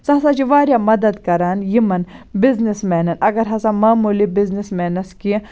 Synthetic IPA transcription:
sɐsat͡ʃiʋaːɾjaːmɐd̪ɐd̪kɐɾaːnjimɐnbɪznismɛːnɐnɐɡɐɾɦɐsamaːmuːlibiznismɛːnɐski

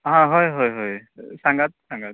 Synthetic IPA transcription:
ɦãɦɔjɦɔjɦɔjsaŋɡat̚saŋɡat̚

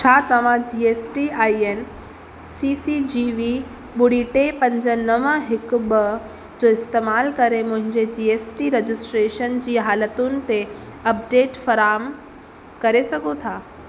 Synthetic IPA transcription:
t͡ɕʰaːt̪ɐʋ̤ãd͡ʑiːeːsʈiaːiɦen̆ | siːsid͡ʑiʋi | ɓʊɽiʈepɐ̃ɲd͡ʑənəʋãɦɪkʊ̆ɓə | d͡ʑoːɪst̪eːmaːlkɐɾemʊ̃ɦɪ̃ɲd͡ʑed͡ʑiːeːsʈiɾed͡ʑɪsʈɾeːʃənd͡ʑiːɦaːlət̪ʊnɪ̆t̪e | ɐp̚ɖeːʈfɐɾaːm | kɐɾesɐɡʱot̪ʰaː

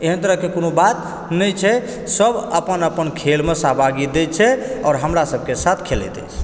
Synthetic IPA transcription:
eɦənt̪əɾəɦkekonobat̪ | nəjt͡ʃʰɛ | səbəpənəpənkʰelmesabʱaɡid̪et͡ʃʰɛɔ̰ɾɦəmɾasəb̚ʱkesat̪ʰkʰelɛ̰t̪ɛ̰t͡ʃ

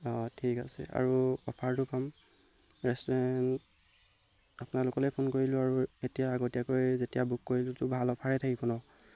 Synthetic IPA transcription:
ɔtʰikasɛ̰a̰ɹuɔpʰaɹtʊpam | ɹɛstɔɹɛn | apʊnalʊkɔlɛpʰonkoɹilʊ̃aɹuetijaːɡotijakojzetijabukːoɹilʊtʊbʱalɔpʰaɹɛtʰakibɔnɔw

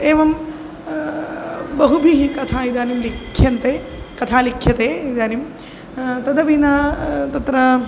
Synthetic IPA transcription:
eːʋɐm | bɐɦubʱiɦikɐt̪ʰaːid̪aːnimlikʰːjɐnt̪eː | kɐt̪ʰaːlikʰːjɐt̪eːid̪aːnim | t̪ɐd̪ɐʋinɐt̪ɐt̪ɾɐ

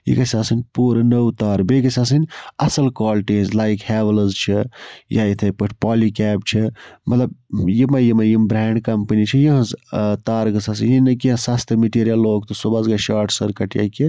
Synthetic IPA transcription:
jḭkɐsʲaːsɨnʲpuːɾɐnəwt̪aːɾbeɡɐsʲaːs̬ɨnʲɐsɐlkwaːlʈizlaːjkhɛːʋɐlzt͡ʃʰijaːit̪ʰɐpɨʈʰpaːlikɛːp̚t͡ʃʰimɐt̪lɐb̚jimɐjimɐjimbɾɛːɳɖkɐmpənit͡ʃʰijiɦɐzt̪aːɾɡɐsaːsɨnjinɐkiãsɐst̪ʰɨmiʈiːɾijɐlːoːɡ̚t̪osobazɡaʃaːʈʰsɐɾkɐʈja̰ki

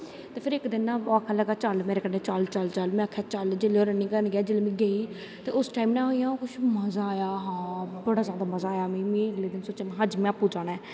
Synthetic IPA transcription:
t̪eːpʰɪɾɪkd̪ɪnaːakʰaləɡaːt͡ʃəlmeːɾeːkəɾneːt͡ʃəlt͡ʃəlt͡ʃəlmɛ̃ːakʰːaːt͡ʃəld͡ʒeːleːoːɾənĩːkənɡɪaːd͡ʒeːleːmĩːɡəiː | t̪eːʊsʈaːimnɛ̃ːɦoːijãːoːkʊʃʰməzaːaːjaːɦãːboɽaːzjaːd̪aːməzaːjaːmĩːmĩːəɡleːd̪ɪnsoːt͡ʃanːɦəd͡ʒmɛ̃apuːd͡ʒaːnɛː

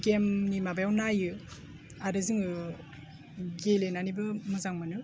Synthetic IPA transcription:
ɡemnimabajawnajɯ | aɾɯziŋɯ | ɡelenanibɯmɯzaŋmanɯ

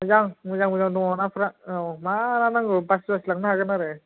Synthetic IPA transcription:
mɯzaŋmɯzaŋmɯzaŋdɔŋanapʰɾamananaŋɡɯbasbaslaŋnaɦaɡɯnaɾɯ

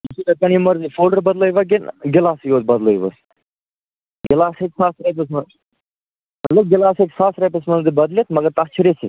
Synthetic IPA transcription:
isiɾɐkɐnimɐɾzifoːɖəɾbɐd̪ləjʋɐk̬inɡɪlaːsjoːd̪̚bɐd̪ləjʋə̰s | ɡɪlaːsekʲsaːsɾɐp̬ɐsmɐn | mɐt̪lɐb̚ɡɪlaːsekʲsaːsɾɐpɐsmɐnd̪ibɐd̪lit̪mɐɡɐɾt̪ɐkt͡ʃʰiɾesḭ

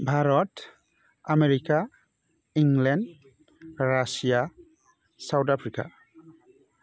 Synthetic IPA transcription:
bʱaɾɔt | ameɾika | iŋlɛnd | ɾasija | sawtapʰɾika̰

